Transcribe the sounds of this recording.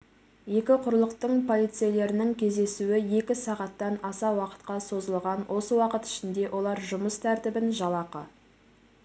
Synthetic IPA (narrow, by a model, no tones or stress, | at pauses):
je̞kʲɪqʰʊɾlˠəqt̪əɴpʰo̞lˠijt̪sɨjele̞ɾɪnɪŋkʲʰe̞zd̪e̞suwɪje̞kʲɪsɑʁɑt̪ːɑnɑsɑwɑqə̥t̪qɑso̞zəlˠʁɑnwʔo̞səwɑqət̪ɪ̥ʃɪnd̪e̞wʔo̞lˠɑɾʒʊməst̪ʰæɾt̪ɪbɪnʒɑlˠɑqə